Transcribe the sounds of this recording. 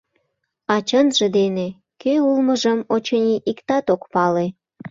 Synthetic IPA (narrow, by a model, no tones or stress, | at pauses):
ɑt͡ɕənʒed̪ene | køulməʒəmot͡ɕɤnʲiʔikt̪ɑt̪okpɑle